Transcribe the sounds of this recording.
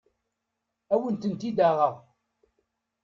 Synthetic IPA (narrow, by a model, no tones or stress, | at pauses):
æwənt̪ənt̪id̪æʁəʁ